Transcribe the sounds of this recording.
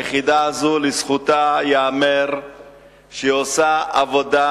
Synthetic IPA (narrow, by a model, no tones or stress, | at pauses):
jeχid̪aːzulisχut̪ajeameʁ | ʃeosaavoda